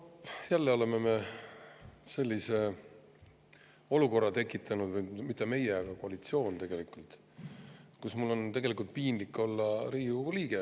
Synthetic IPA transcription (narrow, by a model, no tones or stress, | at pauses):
jælːeo̞le̞meme̞ | se̞lʲːise̞ | o̞luko̞rːɑt̪e̞kːˑit̪ʰˑːɑnud̪vɯjmit̪ˑːeme̞jeɑɡ̥ɑkoɑlit̪sio̞ːnt̪eɡ̥e̞likːˑult̪ˑ | kusmulːo̞nt̪e̞ɡ̥e̞likːˑult̪̚piːnlikːˑo̞lːɑɾiːukuliːɡ̥e